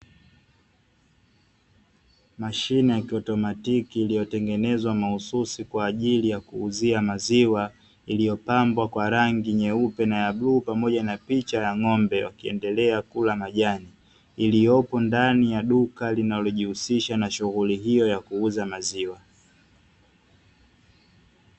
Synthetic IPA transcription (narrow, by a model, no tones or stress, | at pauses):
maʃinɛjakiɔtɔmatikiːlijɔtɛŋɡɛnɛzwamahususikwaːʄilijakuːziamaziwa | ilijɔpambwakwaɾaŋɡiɲɛupɛnajaɓluːpamɔʄanapit͡ʃajaŋɔmbɛwa̰kiɛ̰ndɛlɛakulamaʄaniː | lijɔpɔndanijaɗukalinalɔʄihusiʃanaʃuɣuliɦijɔjakuuzamaziwa